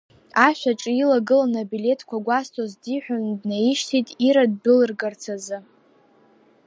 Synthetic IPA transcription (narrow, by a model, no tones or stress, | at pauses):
aʃʷᶣaʈ͡ʂʼilaɡɨlanabile̞tʰkʷʰaɡʷastʰozdiħʷᶣandnaiʃtʰitʼiɾad̚bɨlɨrɡart͡sʰazɨ